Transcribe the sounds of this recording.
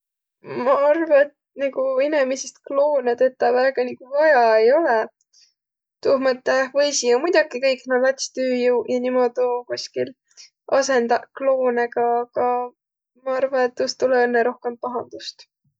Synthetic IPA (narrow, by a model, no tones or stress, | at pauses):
mɑɑrvɑet̪̚ | niɡuinemisest̪̚klo̞ːnet̪et̪ːˑɑvæːɡ̥ɑniɡ̥uvɑjɑejo̞le | t̪uːhmɤt̪ːehvɤjsiomujd̪ɑkikɤjkːˑnɑlɑt̪ʲst̪yːjuwjɑnimo̞d̪̥ukuskil | ʔɑse̞nd̪ɑklo̞ːnekɑkɑ | mɑɑrvɑet̪ːust̪uleenːeɾo̞hke̞mpɑɦɑnd̪̥ust̪